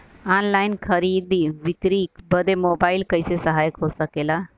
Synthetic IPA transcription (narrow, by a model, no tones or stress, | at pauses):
anlainkʰəɾid̪iʋikɾiːkbəd̪ʱemobailkəjsesəɦaːjəkɦosəkela